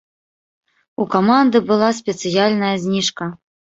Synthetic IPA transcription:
ukamand̪ɨbɨlˠasʲpʲɛt̪sɨjalʲnɐjɐzʲnʲiʂkɐ

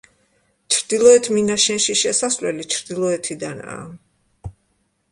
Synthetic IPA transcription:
t͡ʃʰɾd̪ilˠɔɛt̪ʰminaʃɛnʃiʃɛsaslɛlit͡ʃʰɾd̪ilˠɔɛt̪ʰid̪ana̰ː

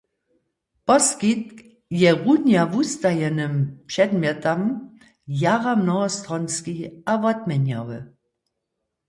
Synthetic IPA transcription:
pɔskit̚ | jɛʁunjavust̪ajɛnɨmpʂɛdmjɛt̪am | jaʁamnɔɦɔst̪ʁɔnskiavɔtmʲɛɲja̰wɛ̰

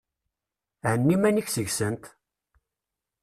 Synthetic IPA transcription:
ʕənːimæniçsəʝsənt̪

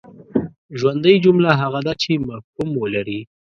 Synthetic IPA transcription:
ʒwand̪əjd͡ʒumlaɦaɣad̪at͡ʃemahkumwəlaɾi

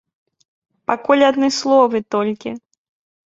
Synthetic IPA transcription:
pakulʲad̪nɔjslˠɔvɨt̪ɔlʲkʲi

